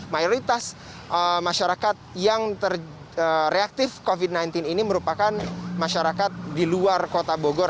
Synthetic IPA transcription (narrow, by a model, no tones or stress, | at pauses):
majoɾit̪as | ʔəmaʃaɾakat̪̚jaŋt̪ər | əɾeak̚t̪ɪfkovid̚najnt̪ɪniniməɾupakanmaʃaɾakat̪̚diluarkot̪aboɡoɾ